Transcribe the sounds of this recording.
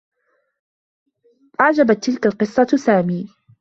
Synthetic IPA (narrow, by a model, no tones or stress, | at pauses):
ʔɑʕd͡ʒabat̪ːɪlkalqɨsˤːɑsaːmiː